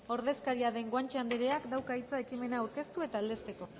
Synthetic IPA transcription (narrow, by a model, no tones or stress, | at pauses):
o̞ɾð̞e̞skaɾiaðe̞ŋɡwant͡ʃeand̪eɾe̞akd̪awkait͡sae̞kime̞naːwɾke̞st̪ue̞t̪aːld̪e̞st̪e̞ko̞